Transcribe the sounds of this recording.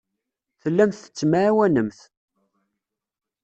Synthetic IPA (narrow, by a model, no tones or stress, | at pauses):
θəlːæmθə̥t͡sːmawænəmθ